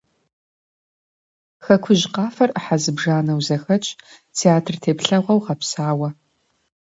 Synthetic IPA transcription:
xɐkʷʰʊʑqɑːfɐrʔəħazɨbʐaːnɐwzɐxɐt͡ʃʼ | tʰeaːtʰrtʰeːpɬɐʁʷɐwʁɐpsaːwɐ

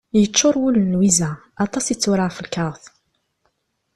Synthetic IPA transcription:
jət͡ʃːʊɾˤwulənwizæ | ɑt̪ˤɑsit͡sːʊɾəʁfəlkɑɾˤθ

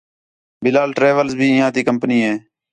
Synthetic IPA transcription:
bɪlaːlʈɾeːʋəlzbʱiːɪ̃ɦãːt̪iːkəmpəniːɦeː

